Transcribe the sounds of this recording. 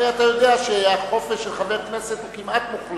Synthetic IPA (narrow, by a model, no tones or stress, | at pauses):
eatajo̞deaʃeajaχo̞feʃelχaveʁknese̞t̪ukimat̪muχl